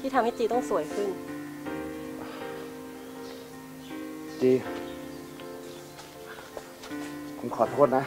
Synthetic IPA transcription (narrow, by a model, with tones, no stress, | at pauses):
t̪ʰi˥˩a˧mha˥˩t͡ɕiː˧t̪ɔ˥˩ŋsu˨˩˦əjkʰɯ˥˩n˧ | t͡ɕiː˧ | pʰo˩˦mkʰɔː˨˩˦t̪ʰoː˥˩t̪̚na˦˥